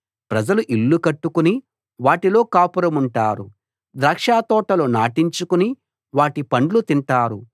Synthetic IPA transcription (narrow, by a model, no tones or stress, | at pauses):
pɾɐd͡ʒɐluʔilːukɐʈːukuni | ʋaːʈilo̞ːkaːpuɾɐmuɳʈaːɾu | d̪ɾaːkʂaːt̪ɔːʈɐloːnaːʈiɲt͡ʃukuni | ʋaːʈipɐɳɖlut̪iɳʈaːɾu